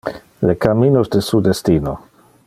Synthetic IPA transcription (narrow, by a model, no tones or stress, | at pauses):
lekaminosdesudestino